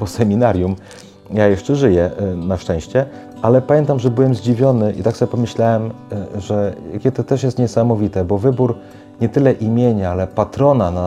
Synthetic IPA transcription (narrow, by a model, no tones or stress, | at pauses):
pɔsɛmʲinaɾʲjum | jajɛʂt͡ʂɛʐɘjɛnaʂt͡ʂɛ̃w̃ɕt͡ɕɛ | ʔalɛpamʲɛ̃nt̪amʐɛbɘwɛmzd͡ʑivʲjɔnɘʔḭt̪aksɔbʲjɛpɔmɘɕlawɛmʐɛakʲɛt̪ɔt̪ɛʂjɛst̪ɲɛsamɔvʲit̪ɛbɔvɘbuɾ | ɲɛt̪ɘlɛʔimʲjeɲaalɛpat̪ɾɔnana